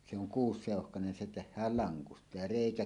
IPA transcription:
se oŋ kuːsːeˑohkɑnen se tehˑæːl lɑŋkustɑ jɑ reˑikæ

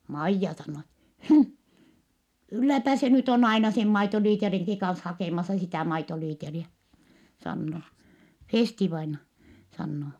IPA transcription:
mɑijːɑ sɑnːoː et hmh kylːæpæ se nyt on ɑinɑ sem mɑitoliːteriŋki kɑns hɑkeˑmɑsɑ sitæˑ mɑitoliːteriæ sɑnːo feˑstiʋɑinɑ sɑnːo

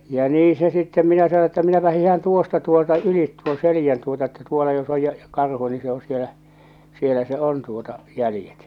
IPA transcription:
jɑ niː se sitːem minæ sɑno etːæ minæpæ hihɑn tuostɑ tuoltɑ ylit tuon selijæn tuotɑ etːæ tuolɑ jos oj jɑ jɑ kɑrhu ni se o sielæ sielæ se on tuotɑ jælĭjet

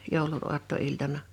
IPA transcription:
joˑulun oɑtːoiltɑnɑ

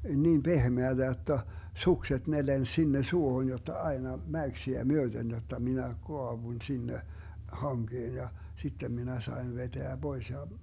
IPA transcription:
niːm b̥ehmeæd̥æ jotːɑ sukset ne lens sinːe suohon jotːɑ ɑi̯nɑ mæyksiæ myød̥en jotːɑ minæ koɑʋuĭn sinːe hɑŋɡ̊eːn jɑ sitːem minæ sɑen ʋeteæ b̥ois jɑ

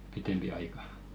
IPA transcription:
pitempi ɑikɑ

